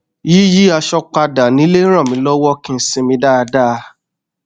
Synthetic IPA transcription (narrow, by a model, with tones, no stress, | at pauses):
ji˦ji˦a˧ʃɔ˧k͡pa˧da˨nĩ˨˦le˦ɾ̃ɔ̃˦˨mĩ˧˦lɔ˦wɔ˦kĩ˧n̩˦sĩ˧mĩ˧da˦˧da˦˨˧